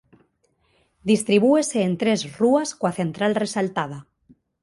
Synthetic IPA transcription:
d̪ist̪ɾiβ̞ueseːnt̪ɾezruaskwaθe̞nt̪ɾalresalt̪að̞a

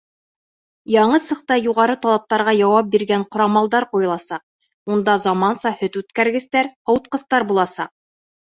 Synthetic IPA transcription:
jɑɴɤsɤ̆qt̪ɑjuʁɑɾɤt̪ɑlˠɑp̚t̪ɑɾʁɑjɑwɑp̚biɾɡæɴqŏɾɑmɑlˠd̪ɑɾqujɤ̆lˠɑsɑq̚ | und̪ɑzɑmɑnsɑhɵt̪ʉt̪kæɾɡɘ̆st̪æɾhŏwt̪̚qɤ̆st̪ɑɾbulˠɑsɑ̰q̚

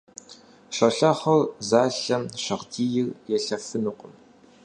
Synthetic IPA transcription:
ɕɐɬɐχɐrzaːɬɐmɕɐʁdiːjɪrjɛɬɐfɨnuqʷʼəm

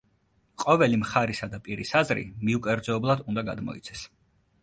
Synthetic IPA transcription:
qʼɔvɛlimχaɾisad̪apʼiɾisazɾḭmiukʼɛɾd̪zɛːblˠad̪und̪aɡa̰d̪mɔ̰ḭt̪sʰɛ̥s

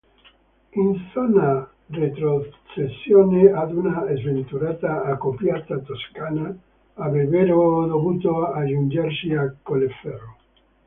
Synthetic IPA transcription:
enθona | ret̪ɾoθesjonead̪unaezβent̪uɾat̪aːkopjat̪at̪oskanaː | βeβeɾoðoβut̪oaʒund͡ʒeɾsiakolefero

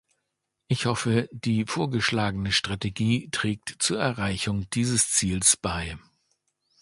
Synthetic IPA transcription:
ʔɪçhɔfəd̥iːfoːɐɡəʃlaːɡənəʃtʁ̥ateɡiːtʁ̥ɛːk̚tt͡suːɐɛɐʁaɪçʊŋd̥iːzəst͡siːlsb̥aɪ

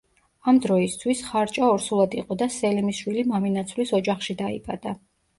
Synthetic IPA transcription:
amd̪ɾɔist̪ʰwisχaɾt͡ʃʼaɔɾsulˠad̪iqʼɔd̪asɛlɛmisʃwilimaminat̪sʰwlisɔd͡ʒaχʃid̪aḭpʼa̰d̪̥a

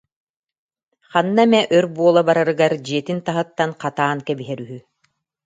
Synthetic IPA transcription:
χanːamɛʔœɾbuɔlˠabaɾaɾɯɡaɾd͡ʑiɛt̪int̪aɦɯt̪ːanqat̪aːnkɛbiɦɛɾyɦy

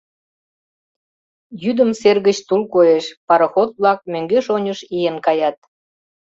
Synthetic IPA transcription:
jyd̪əmserɣət͡ɕt̪ulkojeʃpɑɾə̆xot̪̚βlɑk̚møŋɡeʃonʲəʃijenkɑjɑt̪̚

